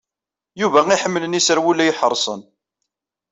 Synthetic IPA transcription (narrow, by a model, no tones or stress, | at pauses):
juvæiħəmːələnisəɾwulːæjiħəɾˤsˤə̰n